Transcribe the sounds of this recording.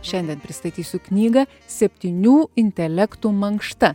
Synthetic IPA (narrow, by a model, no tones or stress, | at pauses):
ʃʲɛnʲd̪ʲɛnpʲɾʲɪst̪ɐt̪ʲiːsʲʊknʲiːɡɐ | sʲɛpʲt̪ʲiːnʲuːɪnʲt̪ʲɛlʲɛkt̪uːmɐŋkʃt̪ɐ